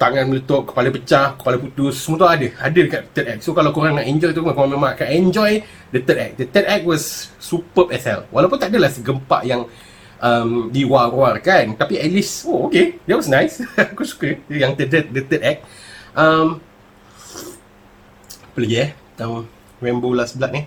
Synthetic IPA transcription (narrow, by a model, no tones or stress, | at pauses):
t̪aŋan̚mələt̪ɔʔ̚kə̥palapət͡ʃahkə̥palaput̪ʊsəmuət̪uadəadəlkat̪t̪ət̚ɛk̚sokalawkuɾaŋnaʔɛ̃ɲd͡ʒɔjt̪uakoɾaŋməmãʔkanaɛɲd͡ʒɔj | dət̪ətɛ̰k̚dət̪ət̚ɛk̚wɔsːupəpɛsɛ̰lwʔalawpunt̪aʔadəlahsəɡəmpa̰ʔjaŋ | ʔəmdiwaruarkant̪apiɛt̚lisookedɛt̚wɔsnãjsakusu̥kəjaŋt̪ədət̪̚dət̪ətɛk̚ʔəm | pələɡiɛ | t̪am | rɛmbolasəbəlaʔ̚nih